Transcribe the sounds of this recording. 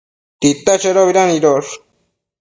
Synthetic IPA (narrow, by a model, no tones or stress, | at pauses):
t̪it̪ːat͡ʃeɾoβiɾaniɾoɾ